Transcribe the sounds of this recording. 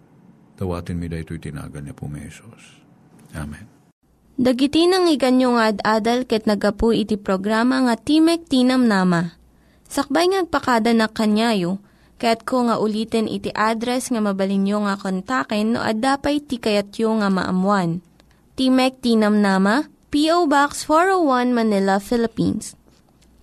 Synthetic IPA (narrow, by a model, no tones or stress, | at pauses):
d̪̥ɐwa̰ːt̪ɪnmid̪ɐjt̪ojt̪ɪna̰ːɡɐlɲɐpʊ̰mɛ̰sos | ʔa̰mɛn | d̪ɐɡɪt̪ɪnɐŋɪɡɐnjoŋɐʔɐd̪ʔaːd̪ɐlkɐjɐt̪nɐɡɐpuʔɪt̪ipɾoɡɾaːmɐŋɐt̪imɛk̚t̪iːnɐmnaːmɐ | sɐk̚bajŋɐnɐɡ̚pɐkad̪ɐnɐkːɐnjaːjo | kɐjat̪̚koŋɐʔʊliːt̪ɛnʔɪ̰t̪iʔaːd̪ɾɛsŋɐmɐbɐlɪnjoŋɐkont̪akɛnːo̰ʔɐ̰d̪aːpɐjt̪ikɐjɐt̪joŋɐmɐ̰ʔɐ̰mwan | t̪imɛk̚t̪iːnɐmnaːmɐ | piʔowbaksfoɹowwanmɐnɪlɐfɪlɪpḭns